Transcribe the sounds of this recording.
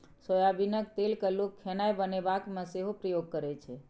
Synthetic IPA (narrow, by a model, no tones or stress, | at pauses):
sojabinək̚t̪elkəlukʰːenajbənebakmẽseɦopɾəjoɡ̚kəɾɛt͡ʃʰɛ